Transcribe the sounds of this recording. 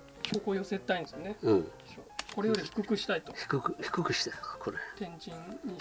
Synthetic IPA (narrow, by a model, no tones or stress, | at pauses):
ɕoːkoːjose̞t̪ːaĩnd̪esɨjoneɯ̃ | oko̞ɾejod̪eçi̥kɯ̟kɯ̟ɕi̥t̪ait̪o̞çi̥kɯkçi̥kɯkɯ̟ɕi̥t̪akʰoɾet̪ẽ̞ɲd͡ʑĩɲɲːi